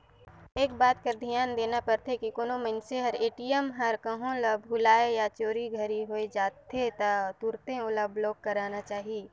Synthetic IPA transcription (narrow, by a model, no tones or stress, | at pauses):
eːkbaːt̪̚kɐɾd̪ʱijaːnd̪eːnapɐɾt̪ʰekikoːnomənseɦɐɾeːʈijəmɦɐɾkəɦõləbɦʊlaːejat͡ʃoːɾiɡʱəɾiɦoːed͡ʒaːt̪ʰet̪at̪uɾt̪ẽʊləbʱloːk̚kɐɾaːnat͡ʃaːɦieː